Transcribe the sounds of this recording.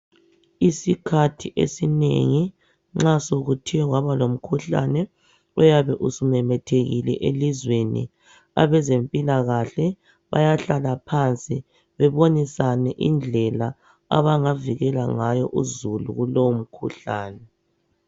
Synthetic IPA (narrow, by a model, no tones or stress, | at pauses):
isikʰatʰiʔḛsinḛŋi | ŋ͡ǁasoɣutʰiɛɣwaβalom̩kʰuɬa̰nɛ | ɛjaβɛʔusumɛmɛtʰeɣilɛ̰ʔelizwenḭ | a̰βɛzempʼilaɣaɬɛ | βa̰jaɬalapʰant͡sʼi | βɛβonisanɛʔind͡ɮʱɛla | a̰βaŋaviɣɛlaŋajɔʔuzulṵɣulowom̩kʰuɬaːnɛ